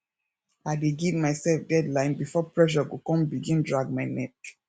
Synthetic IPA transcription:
aɪdeɡivmaɪsɛlfdɛdlãɪ̃nbifɔpɹɛʃ̬ɔɡokɔ̃mbiɡĩndɹaɡ̚maɪnɛk̚

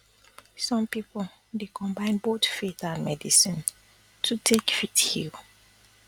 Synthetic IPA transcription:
sɔ̃mpipɔl | dekʰɔ̃mbãɪ̃nbotfetãnmɛdisĩn | tʰutʰekfithil

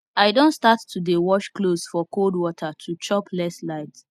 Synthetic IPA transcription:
aɪdõntstattudewɔʃklosfɔkʰoldwɔtʰatʰut͡ʃɔplɛslaɪt

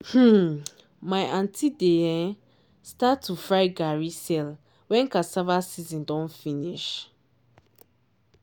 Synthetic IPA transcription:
h̩ | maɪʔãntʰidejɛ̃ | statʰːufɾaɪɡaɹisɛl | wɛ̃ŋkasavasizĩndɔ̃nfiniʃ

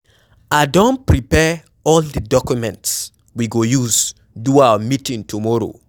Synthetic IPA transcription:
adõnpɹipɛ | ɔldədɔkumɛ̃nts | wiɡojuz | duawamitĩŋtʰumɔɾo̰

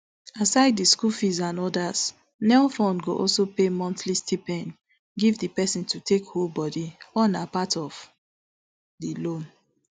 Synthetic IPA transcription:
asaɪdiskufizãnɔdaz̥ | nɛlfɔ̃nɡoʔɔlsopemɔ̃ntlistʰipɛ̃n | ɡivdipɛsĩntʰutekholbɔdiɔnapatɔv̥ | dilõn

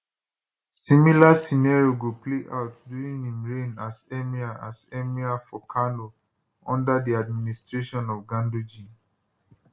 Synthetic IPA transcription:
sĩmilasinaɹoɡupleʔa̰ʊtduɹĩŋĩmɹẽnazɛmiaʔasɛmiafɔkʰãno | ɔ̰̃ndədiad̚ministɹeʃɔ̃nɔvɡãndod͡ʒĩ

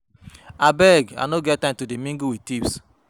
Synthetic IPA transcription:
abɛɡa̰noɡɛt̚tːãɪ̃mtudemĩŋɡuwitips

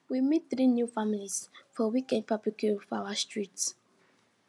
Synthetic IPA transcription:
wimit̪̚θɹinjufamilisfɔwikɛ̃nd̚pʰablikʰufawastʰɹits

